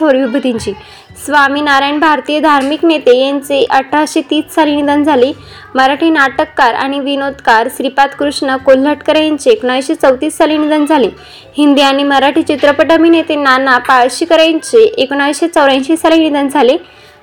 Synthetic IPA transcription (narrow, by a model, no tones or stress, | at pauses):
oɾjubʱəd̪iɲt͡ɕiː | sʋaminaɾajnbʱaɾt̪ijəd̪ʱaɾmiknet̪ejant͡seʔəʈʰːaɕet̪iːt͡ssalinid̪ənd͡zʱali | məɾaʈʰinaʈəkːaɾa̰ɽ̃iʋinod̪kaɾsɾipat̪kɾuʂɳəkolːəʈkəɾajnt͡ɕeːkoɳaʋiɕet͡səwt̪iːssalinid̪ənd͡zʱale | hind̪iañiməɾaʈʰit͡ɕit̪ɾəpəʈəminet̪enːanapad͡zɕiːkəɾajɲt͡ɕeʔekoɳaʋiɕet͡səwɾãnɕissalinid̪ənd͡zʱale